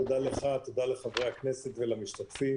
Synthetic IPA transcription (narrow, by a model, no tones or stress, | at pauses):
od̪aleχat̪od̪aleχavʁejakneset̪velamiʃt̪at̪fi